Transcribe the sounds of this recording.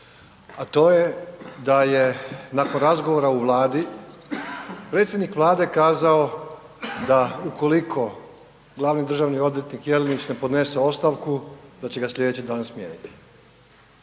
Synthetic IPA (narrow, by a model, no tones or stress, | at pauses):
at̪o̞ːje̞d̪aje̞nako̞nɾazɡoʋoɾauʋlˠaːd̪i | pɾet̪sʲjed̪nikʋlˠaːd̪e̞kaːzao | d̪auko̞likʰo̞ | ɡlˠaʋnid̪ɾr̩ʒaːʋnio̞d̪ʋjet̪nikjelinit͡ʃne̞po̞d̪ne̞se̞o̞st̪aʋkud̪at͡ɕe̞ɡasʎʲe̞d̪et͡ɕid̪aːnsmjeːnit̪i̥